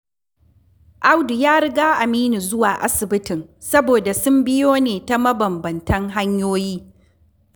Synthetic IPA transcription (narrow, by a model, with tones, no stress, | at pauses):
ʔa˦wdu˨jaː˦ɽɪ˦ɡaː˦ʔa˨miː˦ni˨zʊ˦waː˨ʔa̰˦sɪ˨bɪ˦tɪ˨ŋ | sɐ˦boː˨da˨sʊ˦mbɪ˦joː˦neː˨ta˦mɐ˦bɐ˨mbɐ˨ntɐ˦ŋɦa˦ɲjoː˦jiː˦